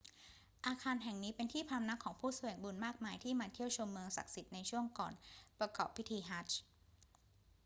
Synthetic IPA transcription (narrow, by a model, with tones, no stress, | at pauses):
ʔaː˧kʰaː˧nɦɛ˨˩ŋniː˦˥pe˧nt̪ʰiː˥˩pʰa˧mna˦˥kʰːɔː˩˦ŋpʰuː˥˩su˧˩˨ə˩ŋbu˧nmaː˥˩k̚maː˧jt̪ʰiː˥˩maː˧t̪ʰi˥˩əwt͡ɕʰo˧mːɯ˧ŋsa̰˨˩k̚si˨˩t̪̚na˧jt͡ɕʰu˥˩əŋkɔ̰ː˨˩npɾa˧kɔ̰ː˨˩pʰːi˦˥t̪ʰiː˧ɦaː˦˥t͡ɕ